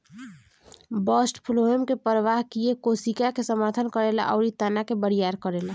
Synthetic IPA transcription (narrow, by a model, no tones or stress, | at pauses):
bɔsʈpʰuloemkepəɾəʋaɦkijekosikakesəməɾt̪ʰənkəɾela̰ʔɔʊɾit̪anakebəɾijaɾkəɾela